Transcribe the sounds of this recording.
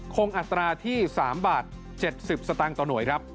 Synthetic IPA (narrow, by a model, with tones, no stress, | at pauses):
kʰo˧ŋʔa˨˩t̪ːɾaː˧t̪ʰiː˥˩saː˩˦mbaː˨˩t̪̚ | t͡ɕe˨˩t̪̚si˨˩p̚sa˧t̪a˧ŋt̪ɔː˨˩nu˨˩˦jkʰɾa˦˥p̚